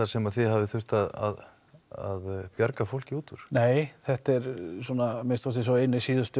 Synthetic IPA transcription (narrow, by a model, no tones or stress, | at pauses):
asɛmaðθɪðɦavɪθʏr̥t̪aða̰ð | aðpjaɾkafowl̥cɪuːt̪ʏɾ̥neːjθɛht̪ɛɾsɔːnamɪnst̪fɔst̪ɪs̬ɔɪjnːɪsiːðʏst̪ʏ